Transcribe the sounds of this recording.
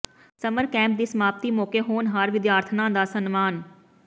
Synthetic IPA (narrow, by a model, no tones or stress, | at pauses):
sɐməɾkɛ̃ːmp̚d̪iːsəmaːp̚t̪iːmoːkeɦoːnɦaɾʋɪd̪jaːɾt̪ʰənãːd̪aːsənmaːn